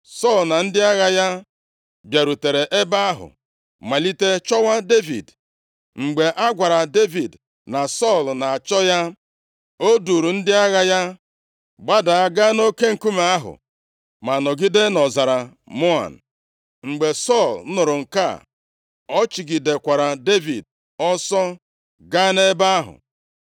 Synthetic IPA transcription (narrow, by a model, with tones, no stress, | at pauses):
sɔ˦˨lna˨n̩˦dɪ˦a˦ɣa˦ja˦ | bja˨ɾu˨te˨ɾe˨ʔe˦ba˦a˦ɦʊ̰˨ | ma˨li˦te˦t͡ʃɔ˦wa˦de˦vḭ˨d | ŋ͡m̩˨ɡ͡be˨ʔa˦ɡʷa˨ɾa˨de˦vi˨d | na˨sɔ˦˨lna˨a˨t͡ʃɔ˦ja˦ | o˦du˨ɾu˨n̩˦dɪ˦a˦ɣa˦ja˦ | ɡ͡ba˦da˨a˦ɡa˦no˦ke˦ŋ̩˨ku˦ma˨˦a˦ɦʊ̰˨ | ma˨nɔ˨ɡɪ˦de˦nɔ˨za˨ɾa˨ | mo˦a̰˨n̩˨ | ŋ͡m̩˨ɡ͡be˨sɔ˦˨ln̩˦nʊ˨ɾʊ˨ŋ̩˨ka̰˦˨ | ɔ˦t͡ʃi˨ɡɪ˨de˨kʷa˨ɾa˨de˦vi˨d̚ | ɔ˦sɔ˦ | ɡa˦ne˦ba˦a˦ɦʊ̰˨